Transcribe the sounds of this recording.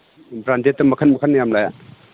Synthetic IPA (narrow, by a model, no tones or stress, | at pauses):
bɾandetːɐmɐkʰanmɐkʰanjamlaja